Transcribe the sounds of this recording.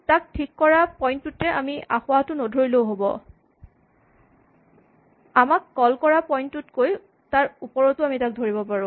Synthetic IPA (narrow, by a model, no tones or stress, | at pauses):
tak̚tʰikːɔɹapɔjntutɛʔamiʔaxʊwatʊnodʱojlowɦobɔ̰ | amakːɔlkɔɹapɔjntutkoj | taɹupɔɹɔtʊamitak̚dʱoɹibɔpaɹũ